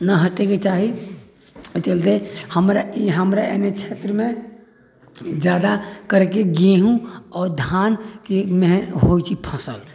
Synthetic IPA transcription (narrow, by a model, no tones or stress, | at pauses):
naɦəʈeket͡ʃaːɦi | t͡ʃəlt̪ehəmɾaiɦəmɾeḛnet͡ʃʰeːt̪ɾəmẽ | d͡ʒjaːd̪akəɾekeɡeɦũɔːɾd̪ʱjaːnkemeɦɦoit͡ʃʰipʰə̃səl